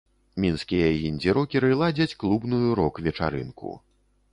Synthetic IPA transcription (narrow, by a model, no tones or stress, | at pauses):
mʲinskʲijɐɣʲinʲd͡zʲiɾɔkʲɛɾɨlˠad͡zʲɐt͡sʲklˠubnujuɾɔkvʲɛt͡ʂa̰ɾɨ̰nkṵ